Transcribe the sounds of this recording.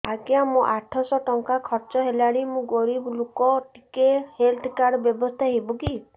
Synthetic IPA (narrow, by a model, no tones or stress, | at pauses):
aɡjamũʔaʈʰɔsɔʈɔŋkakʰɔɾt͡ʃɔɦelaɽimũɡɔɾiblokɔʈikehelt̪ʰkaɾɖɔbjɔbɔst̪ʰaɦebuki